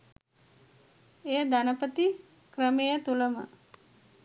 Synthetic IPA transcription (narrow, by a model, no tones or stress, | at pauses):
ejəd̪anəpət̪i | kɾəmejət̪uləmə̰